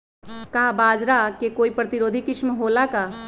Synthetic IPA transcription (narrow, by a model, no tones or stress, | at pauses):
kaːbaːd͡ʒɾakekoːipɾɐt̪iɾoːd̪ʱikɪt͡ʃmɦoːlakaː